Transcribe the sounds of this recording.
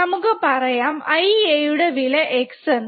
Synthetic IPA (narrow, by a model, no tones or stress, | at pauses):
ɐmukːɨpɐrɐjaːmɐjejuɽeʋilɐʔeksɐn